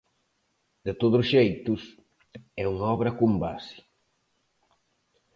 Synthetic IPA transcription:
d̪̥et̪oðʊsʃejt̪us | ɛuŋaɔβɾɐkumba̰si̥

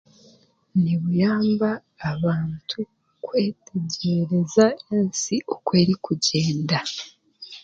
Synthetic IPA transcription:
niβujaːmbaː | βaːntʰu | kwe̞ːtʰe̞ɟeɾe̞zaensiʔokwe̞ːɾikuɟe̞ːnda

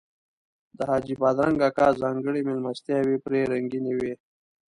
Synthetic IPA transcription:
d̪əhɑːd͡ʒipɑd̪ɾaŋɡakɑːzɑːŋɡəɽimɪlmast̪jawepɾeɾaŋɡinewe

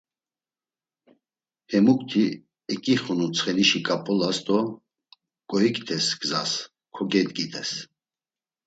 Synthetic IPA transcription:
hɛmukʼt̪ʰi | ɛkʼiχunut͡sʰχɛniʃikʼapʼɔlasd̪ɔ | kʼɔikʼt̪ʰɛsɡ̥zas | kʰɔɡɛt̪ʼɡid̪ʰʼɛs

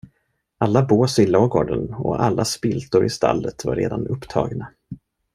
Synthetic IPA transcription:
alːaboːsɪloːɡoːɖənɔ̰ʔalːaspɪlt̪ʊɾɪst̪ʰalːət̪vaɾeːd̪anɵpːt̪ʰɑ̰ːɡna

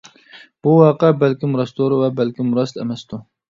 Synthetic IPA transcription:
b̥uwɑːqəbɛlkʲimuɾɑst̪oɾvɛbɛlkʲimuɾɑst̪ɛ̰mɛst̪u

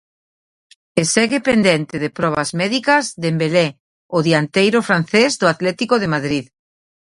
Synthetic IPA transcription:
esɛɣepend̪ɛnt̪eðepɾɔβɐzmɛðikɐzðembele | oðiant̪ejɾofɾan̟θezðʊat̪lɛt̪ikoðemaðɾið

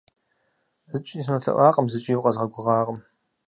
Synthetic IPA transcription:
zɨt͡ʃʷʼniːsnɐɬɐ̰ʔʷɑːqʼəmzɨt͡ʃʼijwqʼɐzʁɐɡʷʊʁɑːqʼəm

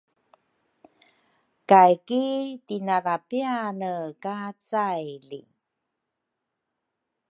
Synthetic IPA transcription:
kajkitinaɾapianəkat͡sajlḭ

